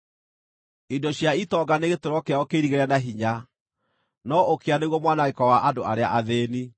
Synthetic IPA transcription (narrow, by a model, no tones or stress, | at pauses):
idoɕjaitɔɡaneɣetoɾɔkeaokeiɾiɣeɾanaɦiɲa | nɔokeaneɣwɔmwanaɣekɔwaʔadoaɾea̰ʔaðeːni